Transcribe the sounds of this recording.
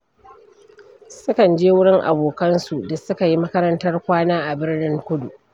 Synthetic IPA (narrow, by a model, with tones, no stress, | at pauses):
sʊ˦kɐ˨nd͡ʒeː˦wʊ˦ɽɪ˦ŋʔa̰˨boː˨kɐ˦nsu˨da˨sʊ˦ka˨ji˦mɐ˦kɐ˦ɾɐ˦ntɐ˦rkʷaː˦naː˦ʔa˨bɪ˦rnɪ˦ŋkʷʊ˦dṵ˨ʔ